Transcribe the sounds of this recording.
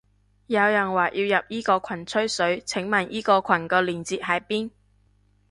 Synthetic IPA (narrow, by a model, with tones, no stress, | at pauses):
jɐ˨˧wjɐ˨˩nwaː˨˩ʔiː˧wjɐ˨p̚jiː˥kɔː˧kʷʰɐ˨˩nt͡sʰɵ˥ɥsɵ˨˥ɥt͡sʰɪ˨˥ŋmɐː˨˩nʔiː˥kɔː˧kʰɐ˨˩nkɔː˧liː˨˩nt͡siː˨t̚ɦɐ˨˥jpiː˥n